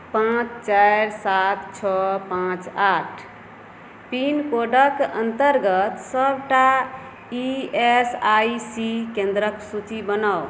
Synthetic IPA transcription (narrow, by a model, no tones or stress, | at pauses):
pãt͡ʃt͡ʃajɾsat̪t͡ʃʰɔpãt͡ʃaʈʰ | pinkoɖəkənt̪əɾɡət̪səbʱʈa | iesaisikẽnd̪ɾəksut͡ʃibənəw